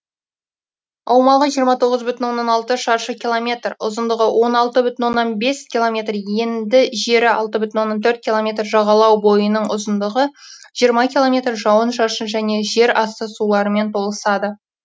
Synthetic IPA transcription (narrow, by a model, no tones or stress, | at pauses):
ɑwmɑlˠʁəʒijəɾmɑt̪ʰo̞ʁəzbʏt̪ɪnwo̞nːɑnɑlˠt̪əʃɑɾʃəkʲilˠomʲe̞t̪rʊ̰zənd̪əʁəwʔo̞nɑlˠt̪əbʏt̪ɪnwo̞nːɑnbe̞skʲilˠomʲe̞t̪rje̞nd̪ɪʒe̞ɾɪɑlˠt̪əbʏt̪ɪnwo̞nːɑnt̪ʰɵɾt̪̚kʲilˠo̞mʲe̞t̪rʒɑʁɑlˠɑwbo̞jənəɴʊzənd̪əʁəʒ̥ijəɾmɑkʲilˠo̞mʲe̞t̪rʒɑwənʃɑɾʃənʒæne̞ʒe̞ɾɑst̪əsulˠɑɾəme̞nt̪ʰo̞lˠəsɑd̪ə